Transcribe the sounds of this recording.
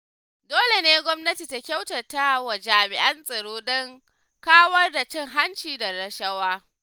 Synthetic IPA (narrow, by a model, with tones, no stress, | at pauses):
doː˦le˨neː˦ɡʷɔ˦mnɐ˦ti˨ta˦kʲa˦wtɐ˨rta˦wɐ˨d͡ʒaː˨mɪ˨ʔɐ˦nsʼɐ˨ɽoː˦ɗɔ˦ŋ | kaː˦wɐ˦rda˨t͡ʃɪ˦˨ŋɦa˦nt͡ʃiː˨da˨ɾɐ˨ʃɐ˦waː˦